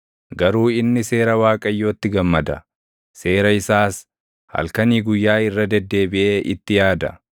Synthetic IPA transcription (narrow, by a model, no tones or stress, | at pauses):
ɡɐɾuːɪnːɪse̞ːɾɐwaːkʼɐjːo̞ːt̪ːɪɡɐmːɐd̪ɐ | se̞ːɾɐɪsaːs | hɐ̰lkɐniːɡʊjːaːɪrːɐd̪ɛd̪ːe̞ːbɪʔeːʔɪt̪ːɪjaːd̪ɐ̰